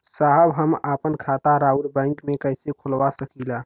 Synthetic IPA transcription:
saɦəbɦəmapənkʰat̪aɾauɾbãɪŋkmekəjsekʰolʋasəkʰila

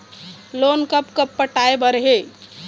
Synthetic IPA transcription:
lonkəpkəpːəʈaebəɾɦe

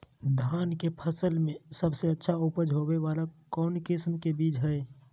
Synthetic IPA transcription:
d̪ʱaːnkepʰəsəlmẽsəbseətːʃʰaupəd͡ʒʱɦobeʋaːlakɔːnkɪsmkebiːd͡ʒɦɛe

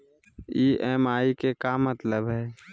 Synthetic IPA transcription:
iːʔɛːmaːikekamət̪ləbɦɛː

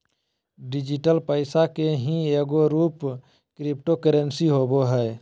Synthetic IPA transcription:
ɖɪd͡ʒiʈəlpəɪsakeɦĩeɡoɾuːp | kɾipʈokəɾensiɦoboɦɛː

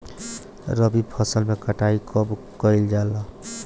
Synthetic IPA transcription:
ɾəbipʰəsəlmekəʈaikʰɔb | kəɪld͡ʒala

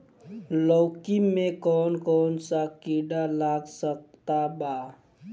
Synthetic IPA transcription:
lɔwkimekɔnkɔnsakiɖalaɡsək̚t̪aba

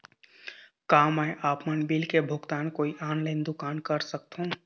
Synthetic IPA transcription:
kaːmɛːʔaːpmənbiːlkebʱʊɡt̪aːnkoːiʔaːnlaːɪnd̪ʊkaːnkəɾsək̚t̪ɦũ

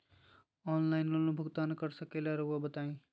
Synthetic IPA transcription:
ɔːnlaːɪnlolũbʱʊɡt̪aːnkəɾsəkeːlaɾoabət̪aːĩː

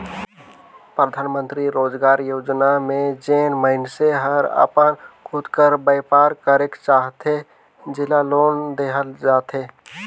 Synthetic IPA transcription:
pɾəd̪ʱaːnmə̃nt̪ɾiɾoːd͡ʒɡaːɾjoːd͡ʒnamẽd͡ʒeːnməɦɪnseɦəɾə̰pənkʰʊd̪kəɾbəjpaːɾkəɾekt͡ʃaːɦt̪e | d͡ʒɪlaloːnd̪eɦəld͡ʒaːt̪eː

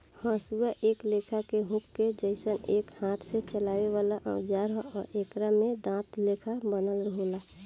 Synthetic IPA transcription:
hə̃ːsuaʔeːkleːkʰakeɦũkːed͡ʒəɪsəneːkhãːt̪ʰset͡ʃəlaːʋeʋaːlaʔə̰̃d͡ʒaɾɔːɾeːkɾamẽd̪ãːt̪leːkʰabənəlɾəɦola

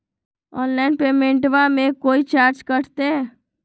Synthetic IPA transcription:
ɔːnlaːɪnpeːmẽɳʈʋamẽkoːit͡ʃaːɾd͡ʒkəɽt̪eɛ

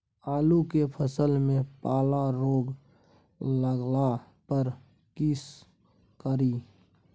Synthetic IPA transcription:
aːlukepʰəsəlmẽpaːlaɾoːɡ | ləɡla | pəɾ | kis | kəɾiː

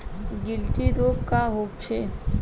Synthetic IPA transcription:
ɡɪlʈ̪iɾoːbkaɦoːp̚t͡ʃʰe

